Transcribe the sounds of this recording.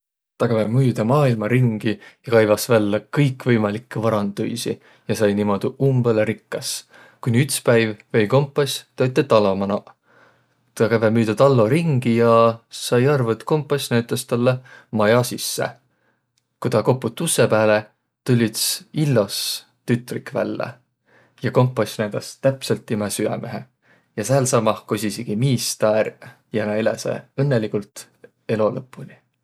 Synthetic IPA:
t̪ɑkævemyːd̪̥ɑmɑːilmɑɾiŋɡ̥ijɑkɑjvɑsvælːɑkɤjkːvɤjmɑlikːevɑɾɑnd̪ṵjsḭ | jɑsɑjnimo̞d̪̥iʔumb̥elɾikːɑs | kunʲiyt̪spæjvve̞jko̞mpːˑosʲt̪øt̪ːˑet̪ɑlːomɑnɑ̰ | t̪ɑkævemyːd̪̥ɑt̪ɑlːo̞ɾiŋɡ̥ijɑsɑjɑrvut̪ko̞mpːˑosʲnæwt̪ːˑɑst̪ɑlːemɑjɑsisːḛ | kut̪ɑko̞pːut̪ˑːusːepæːle | t̪ulʲːit̪silːos | t̪yt̪ˑrikvæ̰lːḛ | jɑko̞mpːˑɑsʲnæd̪̥ɑst̪æpselt̪ːˑimɛsyɛ̰meɦe | jɑsæːlsɑmɑhkosisiɡ̥imiːst̪æːr | jænɑilesḛɤnːelikult̪ | e̞lo̞lɤpˑːunʲi

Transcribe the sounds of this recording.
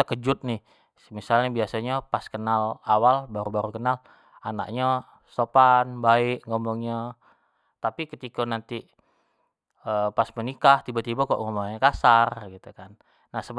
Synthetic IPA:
t̪əkəd͡ʒʊt̪̚nɪh | səmisalɲabiasaɲapaskənalawalbaɾubaɾukənal | ana̰ʔɲa | sopanbaɪkŋɡɔmbɔŋɲa | t̪apikət̪ikonant̪i | əpasmənikaht̪ibat̪ibakɔ̰ʔŋɔmbɔŋɲakasarɡit̪ukanː | ahsəb

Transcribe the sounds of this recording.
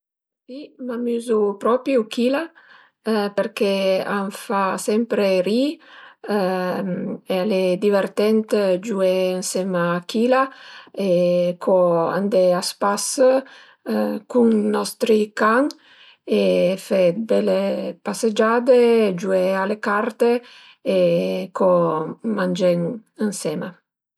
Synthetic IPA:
simamyzupɾɔpjukila | peɾkeaɱfasɛmpɾeɾi | ealed̪iveɾt̪ɛnt̪d͡ʒueensɛmakʰilaekʰɔa̰nd̪easpas | kuŋnɔst̪ɾikaŋ | efebɛlepased͡ʒaːd̪ed͡ʒuealekart̪eː | kʰomand͡ʒɛŋənsɛːma

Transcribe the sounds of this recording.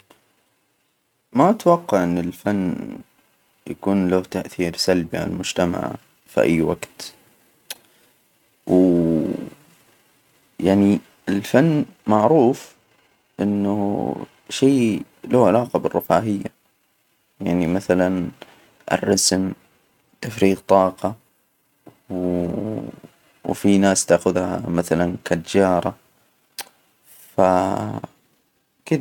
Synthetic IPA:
mat̪wɑqːɑʕʔɪnːɪlfanː | jakuːnlaht̪aʔθiːɾsalbiʕa̰nalmʊd͡ʒt̪ama̰ʕ | fḭʔa̰jːwaɡt̪ | w | jaʕni | ɪlfanːmaʕɾuːf | ʔɪnːṵ | ʃeː | lahʕalaːqɑbɪrːʊfaːɦɪjːa | jaʕnimaθalan | ʔɪ̰rːɑsm | t̪afɾiːqt̪ˤɑːqɑ | w | wfinaːst̪aːxʊðha̰maθalankad̪d͡ʒɑːɾˤɑ | fa | kɪd

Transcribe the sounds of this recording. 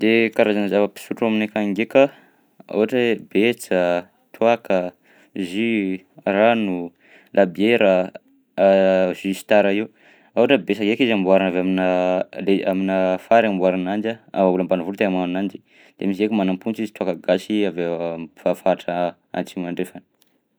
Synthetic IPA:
d̪̥ekaɾazanzavəpi̥suʈ͡ʂaminekaŋɡeka | a̰waʈ͡ʂbet͡sə | t̪ʰuakə | zi | ranu | lʔabieɾə | z̥ysi̥t̪aɾaiu | awaʈ͡ʂəbesaŋɡekizambuaɾanavaminəlea̰minəfaɾambwaɾanand͡ʒaavauləmbanavulut̪eamanand͡ʒi̥ | d̪̥emis̬ekimanampunt͡sizi̥t̪uakaɡaʃiavefafaʈ͡ʂa | a̰nt͡simaɳɖ͡ʐefani̥

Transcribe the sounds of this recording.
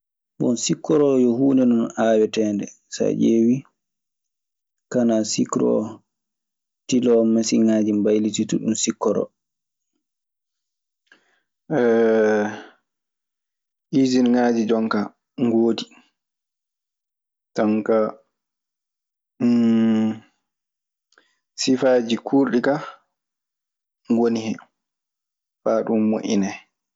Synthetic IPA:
ɓɔ̰nsikːɔɾɔjɔhuːnɛnɔnaːwɛtɛːndɛ̰ | sa̰ʔeːwi | kanasikɾɔ̰ | tilɔmasiŋaːd͡ʒimbajlitituɗunsikːɔɾɔ̰ | ɛ | ʔizinŋad͡ʒid͡ʒɔŋka | ŋɡoːdi | tɔŋka | sifad͡ʒikʰuːɾɗika | ŋɡonihɛ | faɗummo̰ʔḭnɛ

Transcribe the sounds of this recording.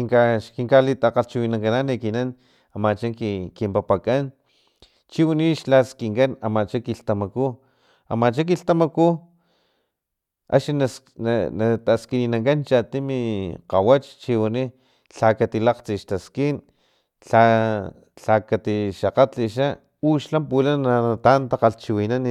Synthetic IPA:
iŋkaʃkiŋkalit̪aqaɬt͡ʃiwinaŋkananikinan | amat͡ʃaŋkkimpapakan | t͡ʃiwiniʃlaskiŋkanamat͡ʃakiɬt̪amaku | a̰mat͡ʃak̬iɬt̪amaku | a̰ʃina | nnat̪askiniːnaŋkant͡ʃat̪imiqawat͡ʃt͡ʃiwani | ɬakat̪ilaqt͡siʃt̪askin | ɬa | ɬakat̪iʃaqaiʃ̬a | uʃlampulanat̪ant̪aqaɬt͡ʃiwinani

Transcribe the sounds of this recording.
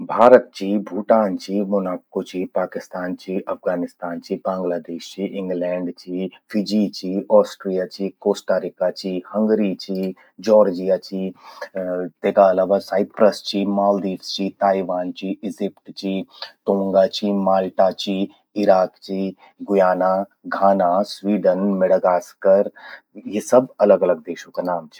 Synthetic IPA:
bʱaːɾət̪̚t͡ʃʰibʱuːʈaːnt͡ʃʰiːmʊnaːkkot͡ʃʰiːpaːkɪst̪aːnt͡ʃʰiʔɐfɡaːnɪst̪aːnt͡ʃibãːŋɡlaːd̪eːʃt͡ʃiʔɪ̃ŋɡlɛ̃ːɳɖt͡ʃʰiːfʰid͡ʒit͡ʃiːɔːsʈɾijat͡ʃikoːsʈaːɾikat͡ʃiːhə̃ŋɡɾit͡ʃiː | d͡ʒɔːɾd͡ʒijat͡ʃiː | t̪eːkaɐlaːʋasaːɪpɾəst͡ʃʰimaːld̪iːʋst͡ʃit̪aːiʋaːnt͡ʃiɪzɪpʈt͡ʃit̪õːŋɡat͡ʃimaːlʈat͡ʃi | ɪɾaːkt͡ʃi | ɡʊjaːnaɡʱaːnasʋiːɖənmeɽəɡaːskəɾ | jesɐbɐləɡɐləɡ̚d̪eːʃõkanaːmt͡ʃʰɛ̥

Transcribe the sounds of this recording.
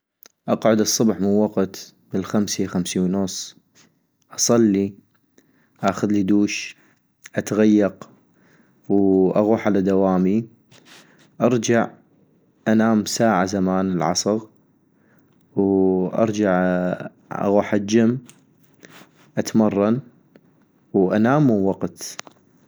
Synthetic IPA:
ʔɑqʕʊd̪ɨsˤːʊbħmɪnwaqt̪ | mɪlxamsixamsiwnʊsˤː | ʔɑsˤɑlːi | ʔaxʊðlid̪uːʃ | ʔat̪ɣajːɑq | wʔaɣuːħʕalad̪awaːmi | ʔɑɾˤd͡ʒaʕ | ʔanaːmsaːʕazamaːnɪlʕɑ̰sˤɨɣ | wʔɑ̰ɾˤd͡ʒaʕ | ʔa̰ɣuːħad͡ʒɪmː | ʔat̪mɑrˤːɑn | wʔa̰naːmːuwɑqt̪

